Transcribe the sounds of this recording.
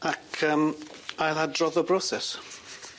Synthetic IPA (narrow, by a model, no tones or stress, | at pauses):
akʰəːmajladrɔðəbɾɔsɛs